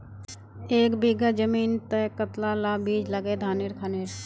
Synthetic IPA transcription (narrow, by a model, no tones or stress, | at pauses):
eːkbiɡad͡ʒəmiːnt̪ɛkət̪lalaːbʱiːd͡ʒləɡed̪ʱaːnɪɾkʰanɪɾ